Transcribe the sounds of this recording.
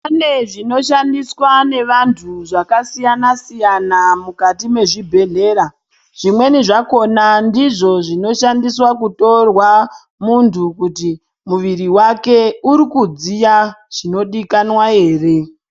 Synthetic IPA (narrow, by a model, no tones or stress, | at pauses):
pane̞ʐino̞ʃandiswane̞ʋantʰuʐakasijanasijanamukatime̞ʐibʱe̞ɮe̞ːɾa | ʐ̥imwe̞niʐako̞nandiʐo̞ʐino̞ʃandiswakuto̞rwa | muntʰukuti | muʋiriwake̞uɾikud͡zijaʐ̥ino̞ɗikanwae̞ːre̞